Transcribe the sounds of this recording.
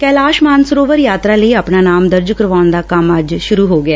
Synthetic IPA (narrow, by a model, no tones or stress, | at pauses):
kɛːlaːʃmaːnsɾoːʋəɾjaːt̪ɾaːləiːaːpnaːnaːmd̪əɾd͡ʒkəɾʋaːnd̪aːkəməd͡ʒʃʊɾuːɦoːɡɪaː